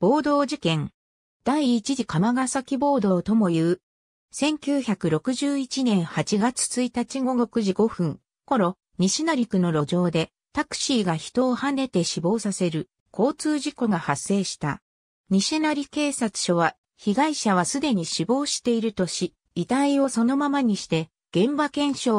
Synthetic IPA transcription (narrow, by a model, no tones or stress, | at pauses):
b̥o̞ːd̪o̞ːd͡ʑikẽ̞ŋ | d̪̥aiːt͡ɕiʑikamaɡasakʲibo̞ːd̪o̞ːt̪o̞mo̞jɯ̟ː | sẽ̞ŋkʲɨːçakɯ̟ɾo̞kɯ̟ʑɨːit͡ɕinẽ̞ɰ̃hat͡ɕiɡat͡sɨ̥t͡sɨit̪at͡ɕiɡo̞ɡo̞kɯ̟ʑiɡo̞ɸɯ̟̃ŋ | ko̞ɾo̞ | ɲ̟iɕinaɾʲikɯ̟no̞ɾo̞d͡ʑo̞ːd̪e̞ | t̪akɯ̟̥ɕiːɡaçi̥t̪o̞ːhane̞t̪e̞ɕibo̞ːsase̞ɾɯ̟ | kʰo̞ːt͡sɨːʑiko̞ɡahasːe̞ːɕi̥t̪a̰ | ɲ̟iɕinaɾʲike̞ːsat͡sɨ̥ɕo̞β̞a | çiɡaiɕaβ̞asɨd̪e̞ɲ̟iɕibo̞ːɕi̥t̪e̞iɾɯ̟t̪o̞ɕi | it̪aio̞so̞no̞mamaɲ̟iɕi̥t̪e̞ | ɡ̥ẽ̞mbakẽ̞ɰ̃ɕo̞ː